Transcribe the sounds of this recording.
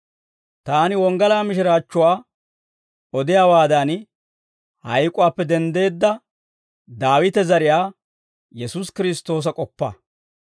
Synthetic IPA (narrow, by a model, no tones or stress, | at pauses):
t̪aːnɪwɔŋɡɐlaːmɪʃɪɾaːt͡ʃːʊwaː | ɔd̪ɪjaːwaːd̪ɐn | hɐjkʼʊwaːpːɛd̪ɛnd̪e̞ːd̪ːɐ | d̪aːwɪt̪ɛzɐɾɪjaː | jɛsuːskɪɾɪst̪ːo̞ːs̬ɐkʼɔpːɐ̰